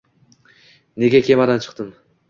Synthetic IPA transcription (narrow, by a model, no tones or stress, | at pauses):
ne̞ɡʲakʲʰe̞mad̪ant͡ʃʰɨ̥q̚t̪ɨm